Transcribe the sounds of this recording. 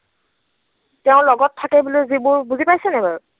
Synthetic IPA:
tɛʊ̃lɔɡɔtʰːakɛbulozibʊɹbuzipajsɛnɛbaɹʊ

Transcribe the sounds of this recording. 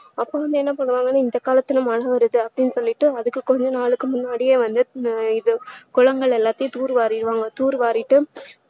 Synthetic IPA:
ɐpːoːʋɐnd̪ɯɛnːɐpɐɳːɯʋaːŋɡɐnːaːɪnd̪ɐkːaːlɐt̪ːɯnamɐɻɐʋɐɾɯðɯɐpːɐɽɪnːɯsɔlːɪʈːɯɐðɯkːɯkːɔɲd͡ʒɔ̃naːɭɯkːɯmʊnːɐɽɪjeːʋɐnd̪ɯɪðɯkʊɻɐŋɡɐɭɛlːaːt̪ːɪjt̪uːɾʋaːɾɪɾɯʋaːŋɡɐt̪uːɾʋaːɾɪʈːɯ

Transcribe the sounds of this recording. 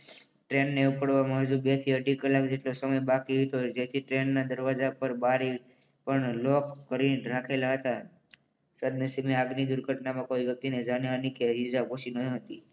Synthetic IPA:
ʈɾenːeupəɽʋamãɦəd͡ʒubet̪ʰiəɖʱikəlak̚d͡ʒeʈlosəməjbakiɦət̪od͡ʒet̪ʰiʈɾenːad̪əɾʋad͡ʒapəɾbaɾi | pəɳlɔkːəɾiɾakʰelaɦət̪a | səd̪̚nəsimeaɡnid̪uɾɡʱəʈnamãkoiʋjək̚t̪ined͡ʒaneɦənikeid͡ʒakoʃinəɦĩɦət̪i

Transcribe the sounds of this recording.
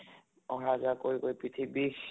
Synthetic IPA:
ɔɦazakoikojpɹit̪ʰibis

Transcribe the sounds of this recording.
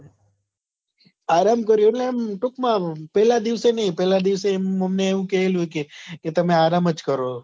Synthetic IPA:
aːɾaːmkəɾjoɦəmnemʈʊkmãpeːlad̪ɪʋsenəĩpeːlad̪ɪʋsemɦəmneeũkeɦeljukeket̪ɐmẽaːɾaːmət͡ʃkəɾoː

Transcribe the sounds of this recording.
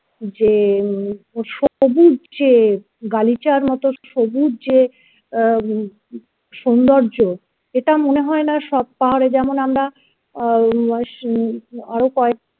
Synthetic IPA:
d͡ʑe | ʃoobuɾd͡ʑe | ɡalit͡ɕaɾmɔt̪oʃobuɾd͡ʑe | ʃond̪oɾd͡ʑo | eʈamoneɦɔenaʃɔb̚paɦoɾed͡ʑɛmonamɾa | aɾokɔek̚

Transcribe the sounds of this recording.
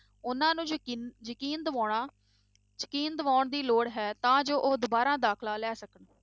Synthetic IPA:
ʊnãːnũːd͡ʒəkiːnd̪əʋaːɳaː | t͡ʃəkiːnd̪ʋaːɳd̪iːloːɽɦɛːt̪ãːd͡ʒoːʔoːd̪ʊbaːɾãːd̪aːkʰlaːlɛːsəkəɳ

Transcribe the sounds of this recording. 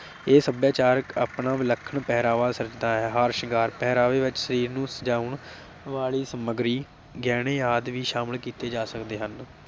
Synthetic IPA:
eːsəbjaːt͡ʃaːɾəka̰pnaːʋɪləkʰːəɳpɛɦɾaːʋaːsəɾt͡ʃd̪aːɦɛːɦaːɾʃɪkaːɾpɛɦɾaːʋeːʋɪt͡ʃsəɾiːɾnũːsəd͡ʒaːʊɳ | ʋaːɭiːsəməɡɾiː | ɡɛːɽ̃eːaːd̪ʋiːʃaːməlkiːt̪eːd͡ʒaːsəkd̪eːɦən

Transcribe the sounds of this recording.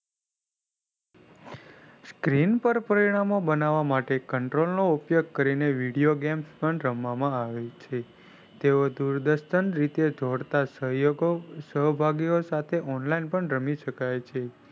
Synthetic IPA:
skɾinpəɾpəɾiɽ̃amobənaʋamaʈekəɳʈɾolnoupjoɡ̚kəɾineʋiɽijoɡɛmspəɳɾəmʋamãaʋet͡ʃʰe | t̪eod̪uɾd̪əʃənɾit̪ed͡ʒʱoɽt̪asəɦjosəɦbʱaɡiosat̪ʰeʔɔnlainpəɳɾəmiʃəkajt͡ʃʰe

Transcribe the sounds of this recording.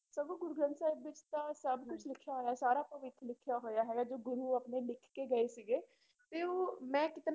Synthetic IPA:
səbũːɡʊɾɡə̃nt̪saːɪbʋɪt͡ʃt̪ãːsəbkʊt͡ʃʰlɪkʰːjaːɦoːjaːsaːɾaːpəʋɪk̪ʰlɪkʰːjaːɦoːjaːɦɛːɡaːd͡ʒoːɡʊɾuːəpneːɖɪkʰkeːɡəesiɡeː | t̪eːoːmɛ̃ːkɪt̪

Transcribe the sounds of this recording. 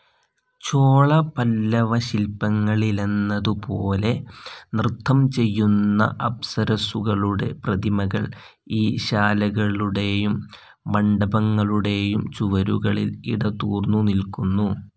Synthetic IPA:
t͡ɕoːɭɐpɐlːɐʋɐɕilpːɐŋːɐɭilenːɐðupoːle̞nrɨt̪ʰːɐmt͡ɕe̞jːunːɐ̰ʔɐbsɐɾɐsuɣɐɭuɽe̞̰prɐðimɐɣɐɭ | iːɕaːlɐɣɐɭuɽe̞jum | ʋɐɳɖɐbɐŋːɐɭuɽe̞jumt͡ɕuʋɐɾuɣɐɭilḭɽɐt̪uːrnunilkunːu

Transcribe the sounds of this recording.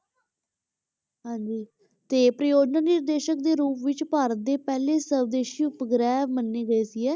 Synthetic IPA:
ɦãːɲd͡ʒiː | t̪eːpɾəjoːd͡ʒnənɪɾd̪eːʃək̚d̪eːɾuːpʋɪt͡ʃpaːɾət̪̚d̪eːpɛːleːsəʋd̪eːʃiːʊpɡɾɛːmənːeːɡəeːsiːɛː

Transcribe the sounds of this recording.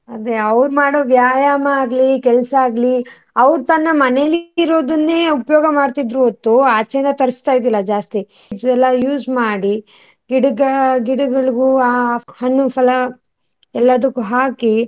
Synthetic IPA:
ɐd̪eɐʋɾumaːɽoʋjaːjaːmɐaːɡlikɛlsɐaaːɡli | ɐʋɾt̪ɐnːɐmɐneliːɾo̞ːd̪ɐnːe̞ːupɐjoːɡɐmaːɽt̪id̪ɾuot̪ːuaːt͡ʃːɛjind̪ɐt̪ɐɾist̪aːjd̪ilːɐd͡ʒaːst̪i | sɛlːɐjuːsmaːɽi | ɡiɽɐɡɐɡiɽɐɡɐɭɡuaːhɐnːupʰɐlɐ | ɛlːɐd̪ɐkːuɦaːki

